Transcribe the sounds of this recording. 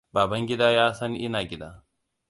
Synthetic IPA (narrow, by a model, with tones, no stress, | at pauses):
baː˨bɐ˦ŋɡʲɪ˦daː˦jaː˦sɐ˦ŋʔɪ˦naː˨ɡʲɪ˦da̰ː˦